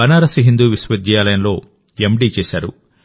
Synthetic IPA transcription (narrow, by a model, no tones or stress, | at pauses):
ɐnaːɾɐsiɦind̪uːʋisʋɐd̪jaːlɐjɐnlo̞ː | emɖiːt͡ʃeːsaːɾṵ